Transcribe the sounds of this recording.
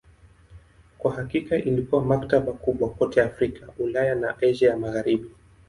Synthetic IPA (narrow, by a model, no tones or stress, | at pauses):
kwaɦakikaʔilikuamaktaɓakuɓwakɔtɛafɾikʰaulajanaʔɛʒɛjamaɣaɾiɓi